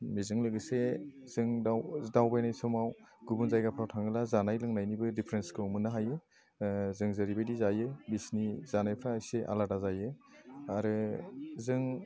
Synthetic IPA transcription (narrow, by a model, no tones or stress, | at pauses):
mizɯŋlɯɡɯse | zɯŋawdawbajnajsɔmawɡubunzajɡapʰɾawtʰaŋɯlazanajlɯŋnajnibɯdipʰɾenskʰɯmɯnɯɦajɯ | zɯŋzɯɾibajdizajɯbisnizanajpʰɾaːjseʔa̰ladazajɯaɾɯzɯŋ